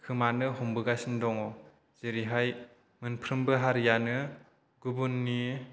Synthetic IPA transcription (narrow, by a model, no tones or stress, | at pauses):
kʰɯmanɯhɔŋbɯɡasindɔŋɔ | z̥eɾiɦaj | mɯnpʰɾɯmbɯɦaɾjanɯ | ɡubunːi